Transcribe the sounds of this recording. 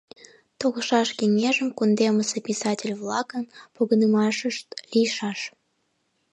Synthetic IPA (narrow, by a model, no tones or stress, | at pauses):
t̪oɣəʃɑʃkeŋeʒəmkund̪eməsepʲisɑtʲelʲvlɑkənpoɣənəmɑʃəʃt̪lijʃɑʃ